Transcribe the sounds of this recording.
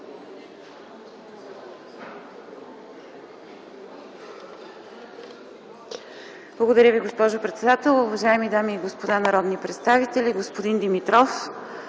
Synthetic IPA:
b̥lˠɐɡod̪ɐɾʲjəviɡospɔʒopɾɛt̪sɛd̪at̪ɛlˠʊvɐʒaɛmid̪amiːɡospod̪anɐɾɔd̪nipɾɛt̪st̪avit̪ɛlʲiɡospod̪ind̪imit̪ɾɔf

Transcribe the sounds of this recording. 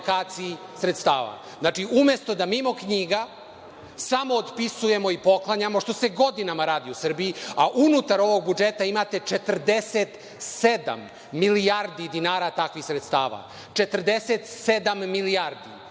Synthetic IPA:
kaːt̪sii | sɾet̪st̪a̰ːʋa̰ | znaːt͡ʂiume̞st̪o̞d̪amimo̞kɲiɡa | samo̞ːt̪pisuje̞mo̞ipo̞klˠaɲamoʃt̪o̞se̞ɡo̞d̪inamaɾaːd̪iusr̩biiaʔunut̪aɾo̞ʋo̞ɡ̚bud͡ʒe̞t̪aimat̪e̞t͡ʃe̞t̪r̩d̪eset̪ | sed̪a̰mː | ilijaɾd̪id̪inaːɾat̪akʋixsɾe̞t̪st̪a̰ːʋa̰ | t͡ʃe̞t̪r̩d̪eset̪se̞d̪amːiliaɾd̪i

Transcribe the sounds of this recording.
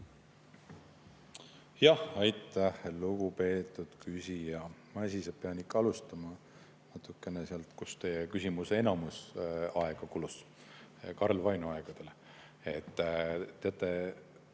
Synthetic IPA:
jɑhɑjt̪ˑːæhluɡ̥upe̞ːt̪ˑːud̪̥kysʲijɑmɑesʲisepeɑnikːˑɑlust̪ɑmɑ | nɑt̪ːˑukːˑe̞neseɑlt̪kust̪eːkysʲimusee̞nɑmusɑe̞ɡ̥ɑkulus | kɑɾlvɑjnuɑeɡ̥ɑd̪̥e̞l | e̞t̪ˑːt̪ːeɑt̪ːˑe

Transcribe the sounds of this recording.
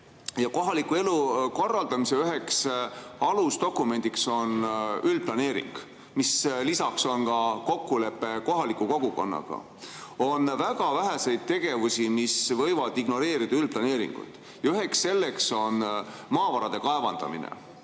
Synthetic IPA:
jɑko̞ɦɑlikːˑue̞luko̞rːɑld̪̥ɑmiseyɦeksɑlust̪o̞kːˑume̞nd̪̥ikso̞nylplɑne̞ːɾḭŋɡ̥ | mislisɑkso̞nkɑko̞kːule̞pːˑe̞ko̞ɦɑlikːuko̞ɡ̥uko̞̰nːɑ̰ɡ̥ɑ̰ | o̞nvæɡ̥ɑvæɦæse̞jd̪̚t̪e̞ɡ̥e̞vusimisvɤjvɑd̪iɡ̥no̞ɾe̞ːɾid̪̥ɑylplɑne̞ːɾḭŋɡ̥ṵt̪ːˑ | jɑyɦe̞kse̞lːekso̞nmɑːvɑɾɑd̪̥e̞kɑe̞vɑnd̪̥ɑ̰mḭnḛ

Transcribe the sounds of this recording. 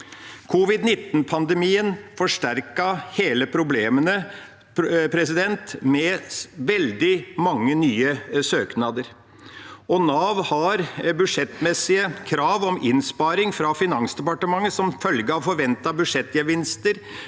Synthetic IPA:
kʰʊʋɪd̪nɪt̪ːnpʰɑnd̪ɛmiːənfɔʂʈæɾkɑheːləpʰɾʊbleːmənə | pʰɾɛsɪd̪ɛnt̪mɛʋɛld̪ɪmɑŋːənyːəsøːknɑːd̪əɾ | ɔnoːʋhɑɾbʉd̪ʂɛt̪mɛsɪəkʰɾɑːʋɔmɪnspɑːɾɪŋfɾɑfɪnɑŋsd̪ɛpɑʈəmɑŋːəsɔmfœlɡəɑʋfɔɾʋɛnt̪ɑbʉd̪ʂɛt̪ːjɛʋɪnst̪əɾ

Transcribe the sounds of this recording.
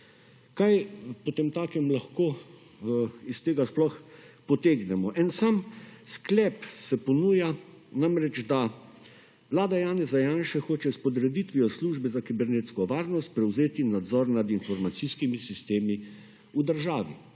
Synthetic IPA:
kajpɔt̪eːmt̪aːkɛmlaxkoː | ist̪eːɡasplɔxpɔt̪eːɡnɛmɔʔɛnsaːmsklɛːpsɛpɔnuːja | namɾɛt͡ʃd̪a | ʋlaːd̪ajaːnɛzajaːnʃɛxoːt͡ʃɛspɔd̪ɾɛd̪it̪ʋiɔsluːʒbɛzakibɛɾneːt̪skɔʋaːɾnɔst̪̚pɾɛwzeːt̪inad̪zɔɾnad̪infɔɾmat̪siskimisist̪eːmi | ud̪əɾʒaːʋḭ

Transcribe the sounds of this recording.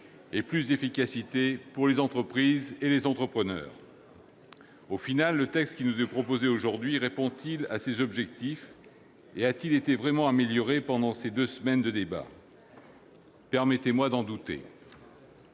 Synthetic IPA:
eplys̬d̪efikʲasit̪epuʁlezɑ̃t̪χəpχizelezɑ̃t̪χəpχənœ̰ːʁ | ofinalːət̪ɛkst̪̚kʲinuzɛpχɔpozeoʒuʁd̪ɥiʁepɔ̃t̪ila̰sezɔbʒɛk̚t̪if | eat̪ilet̪evʁɛmɑ̃ameljɔʁepɑ̃d̪ɑ̃sed̪øsmɛnd̪əd̪eba̰ | pɛʁmɛt̪emwad̪ɑ̃d̪ut̪ḛ

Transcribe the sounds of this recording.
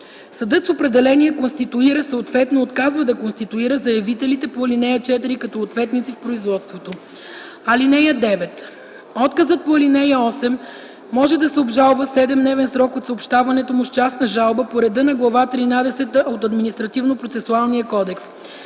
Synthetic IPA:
sɐd̪ɤt̪sopɾɛd̪ɛlɛniɛkonst̪it̪uiɾəsɐot̪vɛt̪noːt̪kazvəd̪ɐkonst̪it̪uiɾəzɐjɛvit̪ɛlit̪ɛpoɐlinɛjət͡ʃɛt̪iɾikɐt̪ɔot̪vɛt̪nit̪sifpɾoizvɔt̪st̪vot̪o | ɐlinɛjəd̪ɛvɛt̪ | ɔt̪kɐzət̪̚poɐlinɛjəɔsɛmː | ɔʒɛd̪ɐsɛobʒalˠvəsɛd̪ɛmd̪nɛvɛnsɾɔkot̪səopʃt̪avɐnɛt̪omust͡ʃast̪nɐʒalˠbəpoɾɛd̪ɤnɐɡlˠɐvat̪ɾinad̪ɛsɛt̪əʔot̪ɐd̪minist̪ɾɐt̪ivnopɾot̪sɛsualˠnijəkɔd̪ɛks

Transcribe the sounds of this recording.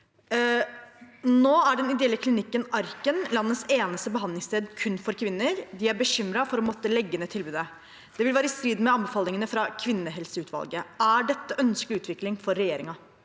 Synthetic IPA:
noːæɖɛnɪd̪ɛɛlːəkʰlɪnɪkːənɑɾkənlɑnːəseːnəst̪əbəɦɑnd̪lɪŋst̪ʰeːd̪kʰʉnfɔɾkʰʋɪnːəɾd̪ɪæɾbəɕʏmɾɑfɔɾɔmɔt̪ːəlɛɡːənət̪ʰɪlbʉːd̪ə | d̪̥ɛʋɪlʋæːɾəst̪ɾiːd̪mɛɑnbɛfɑːlɪŋənəfɾɑkʰʋɪnːəɦɛlsəʉːt̪ʋɑ̰lɡəʔæɖɛt̪ːəʔœnskəɾʉːt̪ʋɪklɪŋfɔɾːɛjeːɾɪŋɑ

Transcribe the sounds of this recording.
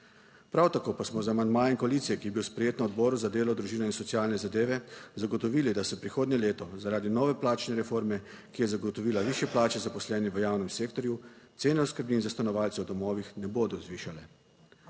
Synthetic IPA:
pɾawt̪akoːpasmɔzaːmand̪maːjɛiŋkɔalit̪sijɛkijɛbiwspɾɛjeːt̪nɔɔd̪̚bɔːɾuzad̪eːlɔd̪ɾuʒiːnɛinsɔt̪siaːlnɛzad̪eːʋɛzaɡɔt̪ɔʋiːlid̪asɛpɾixoːd̪nʲɛleːt̪ɔzaɾaːd̪inɔːʋɛplaːt͡ʃnɛɾɛfoːɾmɛkijɛzaɡɔt̪ɔʋiːlaʋiːʃjɛplaːt͡ʃɛzapɔslɛːniʋəjaːwnɛmseːk̚t̪ɔɾjut̪seːnɛwskəɾbniːnzast̪anɔʋaːlsɛwd̪ɔmɔːʋixnɛboːd̪ɔzʋiːʃalɛ

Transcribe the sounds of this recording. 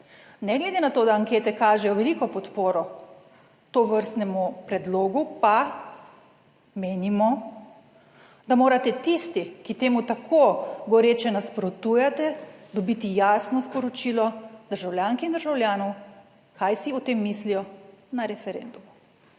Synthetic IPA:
nɛɡlɛd̪enat̪oːd̪aːŋkeːt̪ɛkaːʒɛjɔʋɛlikɔpɔt̪poːɾɔ | t̪oʋəɾst̪nɛmupɾɛd̪loːɡupa | meːnimɔ | d̪amoːɾat̪ɛt̪ist̪ikit̪eːmut̪akʰoɡɔɾeːt͡ʃɛnaspɾɔt̪uːjɛt̪ɛd̪ɔbit̪ijaːsnɔspɔɾɔt͡ʃiːlɔd̪̥əɾʒawljaːŋkɛind̪əɾʒawljaːnɔw | kʰajsiɔt̪eːmːislijɔnaɾɛfɛɾḛːnd̪umu

